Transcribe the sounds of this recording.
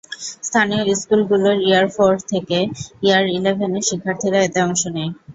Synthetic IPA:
st̪ʰanioiskulɡuloɾiaɾfoɾt̪ʰekeiaɾilebʱeneʃikʰːaɾt̪ʰiɾaet̪eɔŋʃonej

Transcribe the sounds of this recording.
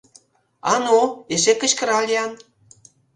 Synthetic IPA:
ɑ̰noeʃekə̆t͡ɕkə̆ɾɑlʲiɑn

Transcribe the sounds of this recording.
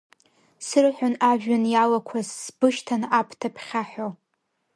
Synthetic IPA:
sɨrħʷᶣonaʒᶣanjalakʷʰazːbɨʃtʰanapʰtʰapʰχʲaħᶣo

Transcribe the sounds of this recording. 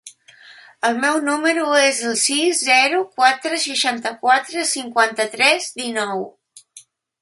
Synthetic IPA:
əlˠmɛwnuməɾuezəlˠsizzɛɾukwat̪ɾəsəʃant̪əkwat̪ɾəsiŋkwant̪ət̪ɾɛzd̪inɔw

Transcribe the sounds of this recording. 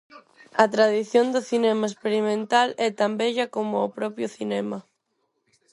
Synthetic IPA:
ɐt̪ɾaðiθjond̪ʊθinɛmaespeɾimẽnt̪alɛt̪ambɛʎɐkomʊːpɾɔpjʊθinɛmɐ

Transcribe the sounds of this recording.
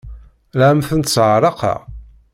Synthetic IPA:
læmθənt̪sʕɾˤɑqʰɑ̰

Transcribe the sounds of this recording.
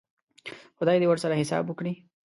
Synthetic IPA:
xʊd̪ɑjd̪ewaɾsaɾahɪsɑ̰bʊkɽi

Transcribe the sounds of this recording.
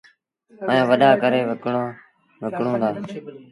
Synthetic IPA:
əjãːʋəɗaːkəɾeːʋəkː | ʋəkɳõːd̪aː

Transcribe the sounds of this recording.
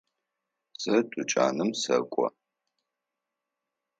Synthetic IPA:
z̥ɐdʼʊt͡ʃʼa̰ːnɨmsɐkʷʼɔ̰

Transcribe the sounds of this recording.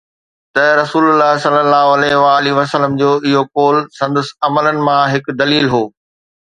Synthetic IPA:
t̪ɐɾɐsuːlʊlːaːɦsɐlːəlːaːɦoɐlɛɦʋaːliʋɐsələmd͡ʑoːʔɪɦokoːlsɐ̃nd̪əsɐmələnɪ̆mãɦɪkʊ̆d̪ɐliːlɦoː

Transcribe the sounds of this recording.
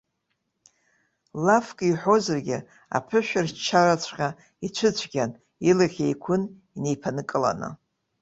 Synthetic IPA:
lafkʼiħʷozarɡʲɪ | a̰pʰɨʃᶣɪrt͡ʃʰːarat͡ɕʷʰqʲʼa | it͡ɕʷʰɨt͡ɕʷʰɡʲan | ilaχʲejkʷʰʊn | ine̞jpʰanɨkʼɨla̰nɨ̰

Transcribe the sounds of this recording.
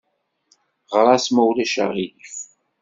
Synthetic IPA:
ʁɾˤɑsməwlæʃa̰ʁilif

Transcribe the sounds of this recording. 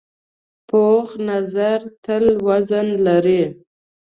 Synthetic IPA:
poχnazaɾt̪əlwazanlaɾi

